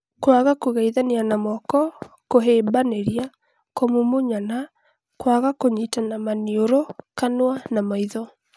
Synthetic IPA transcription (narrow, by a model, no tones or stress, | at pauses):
kwaɣakoɣaiðanianamɔkɔ | koɦeːmbaneɾia | komumoɲana | kwaɣakoɲitanamanioɾokanwanamaiðɔ